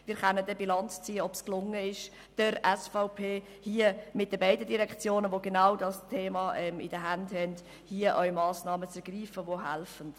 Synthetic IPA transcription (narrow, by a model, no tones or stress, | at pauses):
mɪːɾχɛnədɛbilɑnt͡st͡siːəɔpsklʊŋːəɪʃ | d̥əɾɛsfaʊpʰeː | hiəmɪt̚d̥əbæɪdədiɾɛkt͡sjoːnəʋoɡenawdɑstʰeːmɑʔɛmɪ̰dəɦændhɛnd | hiːəʔœʏmɑːsnɑːmət͡sɛɾɡriːfəʋoɦælfən̩d̥